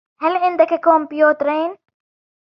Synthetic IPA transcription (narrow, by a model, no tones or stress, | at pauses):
halʕɪnd̪akakombjuːt̪ɾeːn